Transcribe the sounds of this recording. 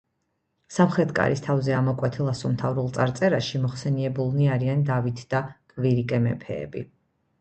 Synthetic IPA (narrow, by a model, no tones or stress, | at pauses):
samχɾɛt̪kʼa̰ɾist̪ʰavzɛamɔkʼwɛt̪ʰilˠasɔmt̪ʰavɾulˠt̪sʼaɾt̪sʼɛɾaʃimɔχsɛniɛbulˠniaɾiand̪avit̪ʰd̪̥akʼviɾikʼɛmɛ̰pʰɛ̰ːbi